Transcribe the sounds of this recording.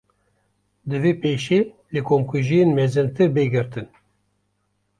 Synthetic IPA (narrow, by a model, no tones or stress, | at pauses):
d̪ɨvepeːʃeː | lekomkuʒijenmɛzɨnt̪ɨbeɡɨɾt̪ɨn